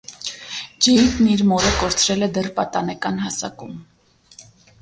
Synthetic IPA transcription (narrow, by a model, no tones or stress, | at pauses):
d͡ʒɛjit̪niɾmɔɾəkɔɾt͡sʰɾɛlɛd̪ɛrpɑt̪ɑnɛkɑnhɑsɑ̰kum